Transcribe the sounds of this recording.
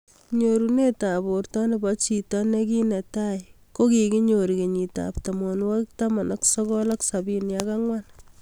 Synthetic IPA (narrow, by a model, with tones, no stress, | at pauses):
ɲoɾune˦ta˨bo˨ɾtɔ˦ne˨ba˦t͡ʃi˨tɔ˦ne˦ki˦nɛ˨ta˦j | ko˦ki˨ki˦ɲoɾi˨ke˨ɲi˨ta̰pta˨mɔnwak̚tama˨nʔa˦ksɔ˦kɔ˦la˦ksabi˦njaka˦ŋwan